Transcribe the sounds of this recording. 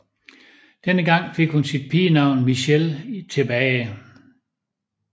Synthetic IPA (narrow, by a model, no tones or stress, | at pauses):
d̥enəɡ̥ɑ̈ŋ̰fe̝ɡ̥hunsid̥̚pʰiːnɑ̈ʊ̰nmiɕelt͡sʰe̝b̥ɛːɪ